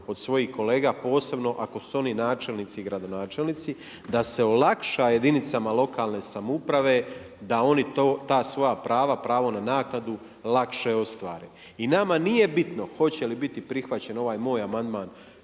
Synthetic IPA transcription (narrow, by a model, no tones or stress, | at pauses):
o̞d̪sʋo̞jihko̞le̞ːɡaːpo̞ːse̞bno̞ʔako̞suo̞ninaːt͡ʃe̞lnit̪siɡɾad̪o̞naːt͡ʃe̞lnit̪si | d̪ase̞o̞lakʃaje̞d̪init̪samalˠo̞kaːlˠne̞ːsamupɾaʋe̞ | d̪ao̞nit̪oːt̪aːsʋo̞japɾaːʋapɾaːʋo̞nanaːknad̪u | lakʃe̞o̞st̪ʋaːɾeː | inamanije̞bit̪no̞xo̞t͡ɕe̞libit̪ipɾixʋat͡ɕe̞no̞ʋaːjmo̞ːjamand̪maːn